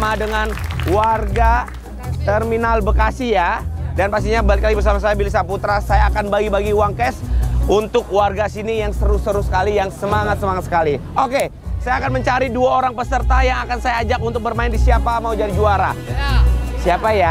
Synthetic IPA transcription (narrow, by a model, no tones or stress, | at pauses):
madəŋanwarɡa | t̪ɛrminalbəkasijadanpaks̬t̪iɲabalɪklaibərs̬amas̬ajabilis̬aput̪ɾasajaːkanbaɡibaɡiuwaŋkɛsunt̪ʊk̚warɡasinijaŋsəɾʊsəɾʊsə̥kalijaŋsəmaŋat̪̚səmaŋat̪sə̥kaliʔoke | sajaːkanməɲt͡ʃaɾiduaoɾaŋpəsərt̪ajaŋakansajaːd͡ʒak̚unt̪ʊk̚bərmaɪndisiapamaud͡ʒadid͡ʒuaɾa | siapaja